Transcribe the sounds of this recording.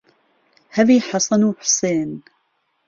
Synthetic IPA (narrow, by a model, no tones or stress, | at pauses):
haðiːħɑsˤɑnuːħʊ̥seːn